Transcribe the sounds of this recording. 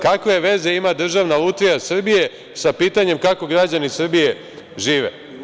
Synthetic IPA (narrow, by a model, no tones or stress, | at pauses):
kakʋe̞ʋe̞ze̞imad̪r̩ʒaʋnalˠut̪ʋijasr̩bije̞ | sapiːt̪aɲe̞mkako̞ɡɾad͡ʑanisr̩bije̞ | ʒiːʋe̞̰